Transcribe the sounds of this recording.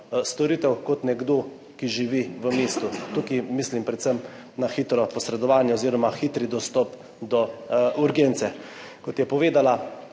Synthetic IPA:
st̪ɔɾit̪ɛwkɔt̪nɛɡd̪o | kiʒiʋiʋəmeːst̪ut̪ukimislimpɾɛt̪səm | naxiːt̪ɾɔpɔsɾɛd̪ɔʋaːnjɛoziːɾɔmaxit̪ɾid̪ɔst̪ɔp | d̪ɔuɾɡent̪sɛ | kɔt̪jɛpɔʋeːd̪ala

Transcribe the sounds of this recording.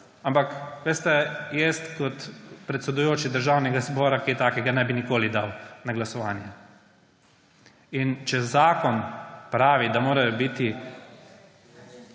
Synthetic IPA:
ampakʋest̪ɛjeːst̪kɔt̪pɾɛt̪sɛd̪ujoːt͡ʃid̪əɾʒaːwnɛɡazbɔːɾakiɛt̪aːkɛɡanɛbinikoːlid̪awnaɡlasɔʋaːnjɛ | int͡ʃɛzaːkɔnpɾaːʋid̪amoːɾajɔbit̪i

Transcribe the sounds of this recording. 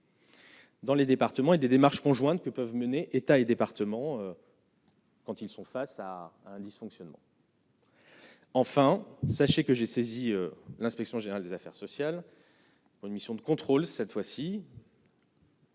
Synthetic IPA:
d̪ɑ̃led̪epaʁt̪əmɑ̃ed̪ed̪emaʁʃkɔ̃ʒwɛ̃t̪kəpœvməneʔet̪aed̪epaʁt̪əmɑ̃ø | kɑ̃t̪ilsɔ̃fasaːɛ̃d̪isfɔ̃ksjɔnmɑ̰̃ | ɑ̃fɛ̃saʃekəʒeseziølɛ̃spɛksjɔ̃ʒeneʁald̪ezafɛʁsɔsjal | puʁynmisjɔ̃d̪əkɔ̃t̪χolsɛt̪fwasi

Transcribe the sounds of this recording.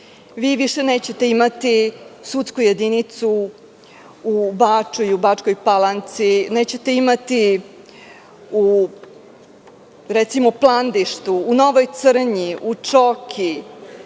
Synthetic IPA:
ʋiːʋiʃe̞neːt͡ɕe̞t̪e̞imat̪isut̪skuje̞d̪init̪su | ubaːt͡ʃuiubat͡ʂko̞jpalant̪sineːt͡ɕe̞t̪e̞imat̪i | u | ɾɛt̪simoplˠand̪iʃt̪uːno̞ʋojt̪sr̩ɲiʔut͡ʂokʰi

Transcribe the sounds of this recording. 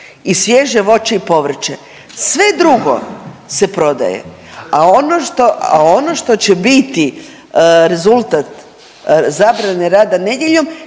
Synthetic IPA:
isʋjeʒeʋo̞t͡ʃeipo̞ʋr̩t͡ʃe | sʋe̞d̪ɾuɡo̞̰se̞pɾo̞d̪a̰jḛ | aonoʃt̪oa̰onoʃt̪ot͡ɕe̞bit̪i | ɾe̞zulˠt̪at̪ | zaːbɾaneɾaːd̪ane̞d̪jeʎo̞m

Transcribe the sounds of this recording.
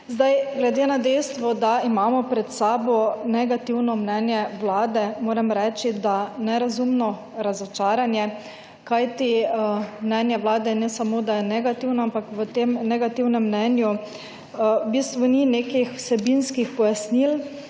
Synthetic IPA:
zd̪ajɡlɛd̪eːnad̪ɛjst̪ʋɔd̪aimaːmɔpɾɛt̪saːbɔnɛɡat̪iwnɔmnɛnjɛwlaːd̪ɛmoːɾɛmɾɛːt͡ʃid̪anɛɾazumnɔ | ɾazɔt͡ʃaːɾanjɛ | kajt̪i | mnɛnjɛwlaːd̪ɛnɛsamoːd̪ajɛnɛɡat̪iwnɔampakʋət̪emnɛɡat̪iwnɛmːnɛnju | bist̪ʋɔnineːkixw̥sɛbinskixpɔjasnil

